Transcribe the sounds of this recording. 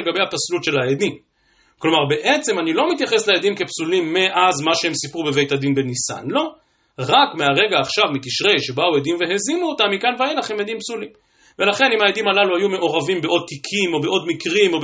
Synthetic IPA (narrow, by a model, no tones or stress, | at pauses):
lɡabe̞jhataslut̪ʃe̞laed̪im | klo̞maʁbe̞ʔet͡se̞manilo̞mit̪jaχe̞sleed̪imke̞psulimːeʔazmaʃeemsipʁube̞ve̞jt̪ad̪inbenisa̰nlo̞ | ʁakmeaʁe̞ɡaːχʃavmitiʃʁe̞jʃebaued̪imve̞ɦezimuot̪amːikanveaelaχemed̪impsulim | ve̞laχe̞nimajed̪imalaluhajume̞ʔo̞ʁavimbeʔo̞d̪̚t̪ikʰimo̞beʔo̞d̪mikʁimo̞